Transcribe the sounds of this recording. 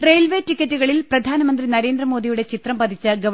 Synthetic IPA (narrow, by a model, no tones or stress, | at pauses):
re̞jlʋeːtikʲːɐtːuɣɐɭilprɐd̪ʱaːnɐmɐnd̪rinɐɾe̞ːnd̪rɐmo̞ːd̪ijuɽe̞t͡ɕit̪rɐmpɐd̪ʱit͡ɕːɨɡɐ